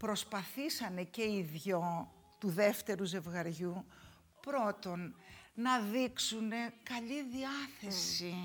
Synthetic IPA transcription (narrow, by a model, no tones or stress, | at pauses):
pɾo̞spɐθisɐne̞ce̞iðʝo̞ | t̪uðe̞ft̪e̞ɾuze̞vɣɐɾʝu | pɾo̞t̪o̞nnɐðiksune̞kɐʎiðiɐθe̞si